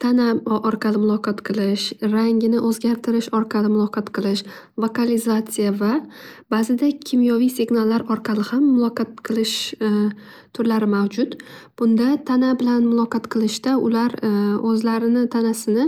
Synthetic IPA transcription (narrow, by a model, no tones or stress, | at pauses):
t̪ʰanaʔɒɾqʰɑlɪmʊlˠɒqʰɒt̪qʰɨlˠɪʃɾaŋɡʲɪnɪʔɵzɡʲaɾt̪ʰɪɾɪʃɒɾqʰɑlɪmʊlˠɒqʰɑt̪qʰɨlˠɪʃ | vokalɪzat̪sɨjavabazɪd̪akʲʰɪmjɒvijsɪɡʲnalˠːaɾɒɾqʰɑlɪhamːʊlˠɒqʰɑt̪̚qʰɨlˠɪʃ | t̪ʰʊɾlaɾɪmawd͡ʒʊt̪b̥ʊnd̪at̪ʰanabɪlanmʊlˠɒqɑt̪qʰɨlˠɪʃt̪aʊ̰laɾɵzlaɾɪnɪt̪ʰanasɪnɪ